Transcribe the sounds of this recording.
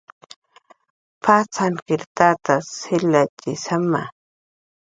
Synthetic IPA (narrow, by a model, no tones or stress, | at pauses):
pʰat͡sankɪɾt̪at̪asɪlat͡ʃɪsama